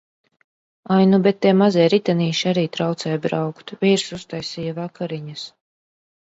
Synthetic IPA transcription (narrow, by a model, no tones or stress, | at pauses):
ajnubɛt̪ːɛɛmazɛjɾit̪aniːʃiaɾiːt̪ɾawt̪sɛjbɾawkt̪vʲiːɾsust̪ajsiːjavakaɾiɲas